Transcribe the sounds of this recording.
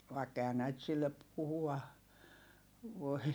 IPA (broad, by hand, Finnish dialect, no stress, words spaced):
ʋɑikː ehæ næit silːep̆ puhuɑ ʋoi